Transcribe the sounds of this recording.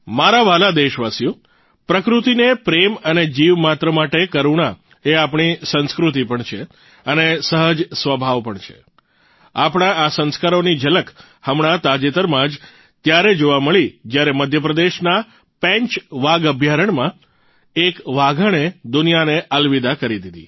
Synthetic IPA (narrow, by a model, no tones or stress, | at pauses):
maɾaʋalad̪eʃʋasjũ | pɾəkɾut̪inepɾeməned͡ʒiʋmat̪ɾəmaʈekəɾuɳa | eapɳ̃isə̃nskɾut̪ipəɳt͡ʃʰe | ənesəɦəd͡ʒsʋəbʱaʋpəɳt͡ʃʰḛ | apɽ̃ãasə̃nskaɾonid͡ʒələk | həmɳ̃at̪ad͡ʒet̪əɾmãd͡ʒ | t̪jaɾed͡ʒoʋaməɭid͡ʒjaɾeməd̪ʱjəpɾəd̪eʃna | pɛ̃ɲt͡ʃʋaɡəbʱjaɾəɳmã | ekʋaɡʱəɽ̃ed̪unijaneʔəlʋid̪akəɾid̪id̪ḭ